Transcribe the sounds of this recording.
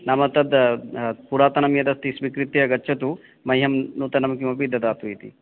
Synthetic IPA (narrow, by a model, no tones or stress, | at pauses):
nɐmɐt̪ɐd̪ | puɾaːt̪ɐnɐmjɐd̪ɐst̪isʋikɾit̪ejɐɡɐːt͡ʃʰɐt̪u | mɐjɦɐmnuːt̪ɐnɐmɐk̬imɐpid̪ʱːɐd̪aːt̪uit̪ḭ